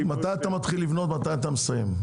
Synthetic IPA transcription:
mat̪ajat̪amat̪χilːivno̞t̪mat̪ajat̪amesajḛm

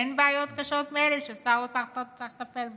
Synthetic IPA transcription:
enbeajot̪kaʃot̪meelɛʃesaut͡satat͡saχt̪apelb

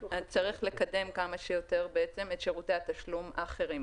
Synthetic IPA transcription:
ad̚t͡saʁiχle̞kade̞mkamaʃejo̞t̪e̞ʁbeet͡se̞me̞t̪ʃeʁut̪eat̪aʃlumaχe̞ʁim

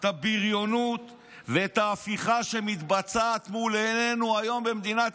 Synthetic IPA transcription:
t̪abiʁjo̞nut̪ | veet̪aːfiχaʃe̞mit̪bat͡saːt̪mulenenuajo̞mbemd̪inat

